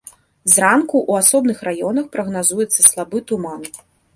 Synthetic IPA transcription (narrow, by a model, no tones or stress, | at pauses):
zrankuʔuasɔbnɨxrajɔnɐxpɾɐɣnazujɛt̪sːɐslˠabɨt̪uman